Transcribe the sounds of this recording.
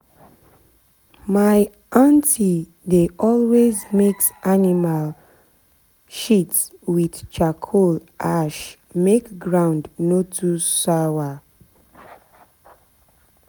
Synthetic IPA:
maɪ | ãntʰi | deʔɔlwezmeksanimal | ʃitswidt͡ʃakʰolʔaʃ | mekɡɹãʊ̃ndnotʰusawa

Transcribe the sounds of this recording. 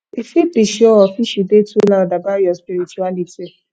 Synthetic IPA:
efipiʃiɔɔfiʃidetulãdabaɾiɔspiɾit͡ʃualiti

